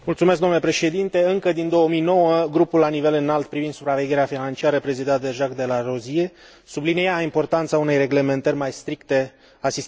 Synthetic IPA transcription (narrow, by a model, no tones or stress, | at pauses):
mult̪sumeskɡd̪omnlepɾe̞ʃe̞d̪int̪e̞ɨŋkəd̪ind̪o̞əmijno̞wəɡɾupulːanive̞lɨnalt̪̚pɾivind̪supɾave̞ɡʲe̞ɾeafinant͡ʃiaɾəpɾe̞zid̪eat̪̚d̪eʒakd̪e̞laɾo̞zie̞ | sublinejaimpo̞rt̪ant̪saune̞jre̞ɡle̞me̞nt̪ərʲmajst̪ɾikt̪e̞ | asist̪